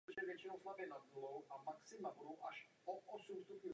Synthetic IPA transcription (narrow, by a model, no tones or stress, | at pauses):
ʒɛvjɛt͡ʃinowslavjɛnad̪̚bulowʔamaksɪmabudowʔaʃ | oʔɔsumst̪upɲu